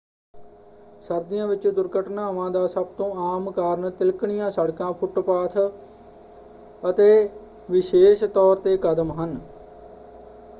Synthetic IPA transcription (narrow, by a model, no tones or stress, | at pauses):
səɾd̪ɪjãːʋɪt͡ʃd̪ʊɾɡəʈʰnaːʋãːd̪aːsəbt̪õːaːmkaːɾɳt̪ɪlkɳɪjãːsəɽkãːpʰʊʈpaːt̪ʰ | ət̪eː | ʋɪʃeːʃt̪ɔːɾt̪eːkəd̪əmɦən